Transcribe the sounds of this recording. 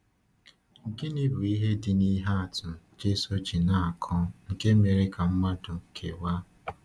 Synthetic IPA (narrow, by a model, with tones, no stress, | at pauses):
ŋ̩˨ke˦ni˦bʊ˨i˦ɦe˦dɪ˨ni˦ɦa˦a˨tʊ˨t͡ʃe˦so˦t͡ʃi˨na˨a˨kʰɔ˦ŋ̩˨ke˦me˨ɾɪ˦ka˨m̩˦ma˦dʊ˨kʰe˨wa˦